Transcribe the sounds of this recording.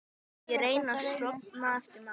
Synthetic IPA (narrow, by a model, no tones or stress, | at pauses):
jɛɾeːjnaɾ̥sɾɔt̪naɛft̪